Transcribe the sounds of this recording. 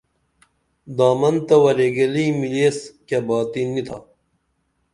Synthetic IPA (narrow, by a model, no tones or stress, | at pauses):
d̪aːmɐnt̪ɐwɐɾeɡɐlimileːskebaːt̪inːit̪ʰa̰